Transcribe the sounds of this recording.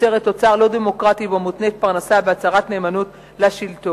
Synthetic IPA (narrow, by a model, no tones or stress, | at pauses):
eʁet̪ːo̞t͡saʁlo̞demo̞kʁatibamut̪neːt̪̚paʁnasabeat͡saʁatne̞ːmanut | laʃilt̪o